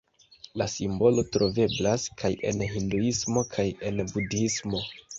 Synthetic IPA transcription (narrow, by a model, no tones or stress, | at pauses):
lasimbo̞lo̞tɾo̞ve̞blaskʰaje̞̰nɦinduismo̞kʰaje̞nbudismo̞